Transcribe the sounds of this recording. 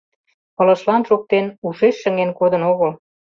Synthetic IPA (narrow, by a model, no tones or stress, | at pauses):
pɤ̆lə̆ʃlɑnʃok̚t̪enuʃeʃːə̆ŋenkod̪ə̆noɣəl